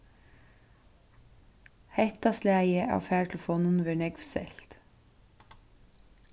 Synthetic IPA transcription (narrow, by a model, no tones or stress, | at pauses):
hɛt̪ɑslæːjəʔɑ̰ːʋfæːʈʰl̩foːnʉnʋeːɳɛɡʋsɛ̰lt̪